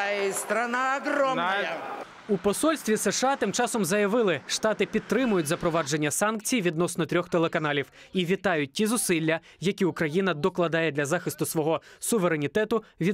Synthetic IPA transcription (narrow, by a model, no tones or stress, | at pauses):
st̪ɾɐnaɐɦɾɔ | upɔsɔlʲsʲt̪ʋʲiseʃɑt̪ɪmt͡ʃɑsɔmzɐjɐʋɪlˠɪʃt̪ɑt̪ɪpʲid̪̚t̪ːɾɪmʊjʊtʲzɐpɾɔʋɑd͡ʒe̞nʲːɐsɑnk̚t͡sʲijʋʲid̪nɔsnɔt̪ɾʲɔxt̪elˠekɐnɑlʲiw | iʋʲit̪ɑjʊt̚ʲtʲizʊsɪlʲːɐ | jɐkʲiʊkɾɐjinɐd̪ɔklˠɐd̪ɑjɛd̪lʲɐzɑxɪst̪ʊsʋɔɦɔsʊʋeɾe̞nʲit̪ɛt̪ʊʋʲi